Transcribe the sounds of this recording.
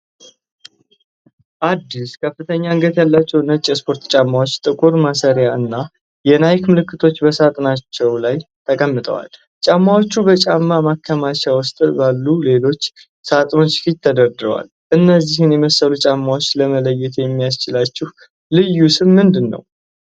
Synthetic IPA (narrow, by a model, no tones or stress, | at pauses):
ʔad̪ːiskʰəfːɨt̪ʰəɲːaɨŋɡət̪jalːat͡ʃːɛwnət͡ʃʼːɛspʰo̞ɾt̪t͡ʃʼamːawo̞t͡ʃːt̪ʼɨkʼuɾmasəɾjaʔɨnːa | jɛnajkmɨlɨkːɨt̪ʰo̞t͡ʃːbəsat̪ʼnat͡ʃːɛwlajt̪ʰəkʼəmːɨt̪ʼə̰wa̰l | t͡ʃʼamːawo̞t͡ʃːubət͡ʃʼamːamakʰːəmat͡ʃawʊst̪ʼbalːule̞lo̞t͡ʃː | sat̪ʼno̞t͡ʃːfit̪t̪ʰəd̪əɾd̪ɨɾəwa̰l | ʔɨnːəzːihɨnjɛməsːəlut͡ʃʼamːawo̞t͡ʃːləmələjːɛt̪jɛmːijast͡ʃɪlat͡ʃːɪh | lɨjːusɨmmɨnd̪ɨnːə̰w